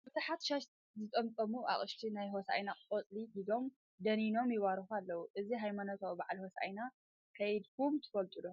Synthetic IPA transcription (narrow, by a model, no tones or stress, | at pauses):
bɨt̪ʰaħat̪ʃaʃ | zɨt̪ʼɐmt͡sʼɐmuʔa̰χʼɨʃt̪ʰinajɦosa̰jnaot͡sʼliɡid̪o̞m | d̪ɐnino̞mjɪwaɾxualːɐwuʔɨziɦajmanɐt̪ʰobaʕlihosa̰jna | kʰɐjd̪kʰumt̪ʰɨ̥fɐlt̪ʼulo